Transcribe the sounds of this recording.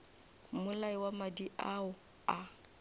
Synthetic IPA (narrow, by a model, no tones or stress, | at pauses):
mʊlaiwamadiʔaʊ | a